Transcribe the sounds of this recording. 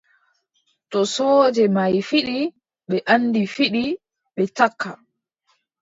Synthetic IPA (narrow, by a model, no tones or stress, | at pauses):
tɔsɔːd͡ʒɛmajfiɗi | ɓɛʔanːdifiɗi | ɓɛt͡ʃakʰːa